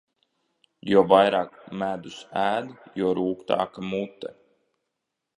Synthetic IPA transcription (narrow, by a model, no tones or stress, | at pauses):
jɔɔvajɾaːkmæd̪usæːd̪jɔɔɾuːkt̪a̰ːkamut̪ːɛ